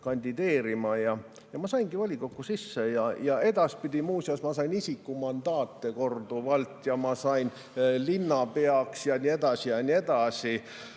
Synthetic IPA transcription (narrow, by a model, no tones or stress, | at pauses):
kɑnʲd̪̥id̪̥e̞ːɾimɑjɑ | jɑmɑsɑinɡ̥ivɑlʲikokːˑusisːejɑjɑe̞d̪̥ɑspid̪̥ʲimuːsjɑsmɑsɑinisikːumɑnd̪̥ɑːt̪ːe̞ko̞rd̪̥uʋɑlt̪ːˑjɑmɑsɑin | linːɑpe̞ɑksjɑnʲie̞d̪̥ɑsijɑnie̞d̪̥ɑsi